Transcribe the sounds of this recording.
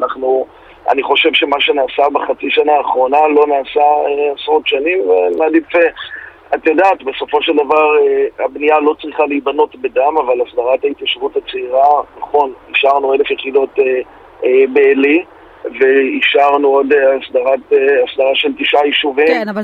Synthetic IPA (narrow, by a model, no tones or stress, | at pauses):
anaχnu | a̰niχo̞ʃe̞vʃe̞maʃe̞naːsabeχat͡siʃanaːχʁo̞nalo̞naːsaeasʁo̞tʃanimvenadife | at̪jodaːt̪be̞so̞fo̞ʃe̞ldavaʁeabnijalo̞t͡sʁiχaliːbano̞tbedamavalasd̪aʁathait̪jaʃvutat͡seiʁanaχo̞niʃaʁnue̞lefjeχido̞te | ebeli | ve̞iʃaʁnuodeasdaʁat̪easd̪aʁaʃelt̪iʃajiʃuvim